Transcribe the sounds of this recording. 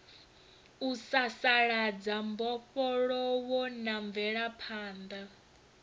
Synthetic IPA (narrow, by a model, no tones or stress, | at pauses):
usasaɺad͡zambɔɸɔɺɔwɔnaɱvɛɺapʰaːnd̪a